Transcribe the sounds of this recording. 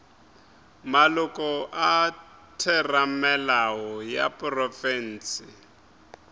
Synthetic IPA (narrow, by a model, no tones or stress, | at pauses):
malʊkʼɔʔa | tʰɛramɛlaɦɔja̰prɔfɛn̩ːsɪ